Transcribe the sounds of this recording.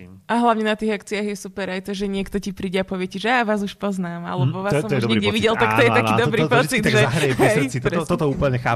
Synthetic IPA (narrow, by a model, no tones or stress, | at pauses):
ʔaɦlaʊɲɛnat̪iːɣakt͡siaːɣjɛsupɛɾajt̪ɔʒɛɲɪɛkt̪ɔcipɾiːɟɛapɔʋɪɛcɛʒɛjaːʋaːzuʃpɔznaːma̰lɛbɔʋassɔmuʒɲɛɡɟɛʋiɟɛlt̪akt̪ɔjɛt̪aiːd̪bɾitp̪ɔt͡sid̪ʒɛɦɾɛɦɛt̪ɔt̪ɔuːpl̩ɲɛxa̰ː